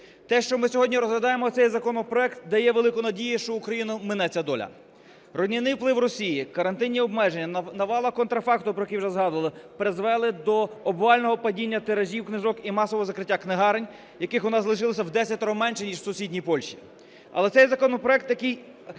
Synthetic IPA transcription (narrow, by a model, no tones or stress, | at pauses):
t̪ɛʃt͡ʃɔmɪsʲɔɦɔdʲnʲiɾɔzɦlʲɐd̪ɑjemɔsɛjzɐkɔnɔpɾɔɛkt̪d̪ɐjɛʋelˠɪkʊnɐdʲijiʃt͡ʃɔukɾɐjinʊmɪnɛt͡sʲɐd̪ɔlʲɐ̰ | rɔdʲnʲɪnɪjwplˠɪwrɔsʲijikɐɾɐnt̪ɪnʲːiɔbmɛʒenʲːɐnɐʋɑlˠɐkɔnt̪ɾɐfɑkt̪ʊpɾɔjɛkʲiwʒɛzɦɑd̪ʊʋɐlˠɪpɾɪzʋɛlˠɪd̪ɔɔbʋɑlʲnɔɦɔpɐdʲinʲːɐt̪eɾɐʒʲiwknɪzɔkimɑsɔʋɔɦɔzɐkɾɪtʲːaknɪɦɑɾenʲ | jɐkɪxʋɔnɑzlˠɪʃɪlˠɐsʲɐwd̪ɛsʲɐt̪ʲɔɦɔmɛnʃɛnʲiʒsʊsʲidʲnʲijpɔlʲʃi̥ | ɐ̰lˠɛsɛjzɐkɔnɔpɾɔɛk̚t̪jɐkɪj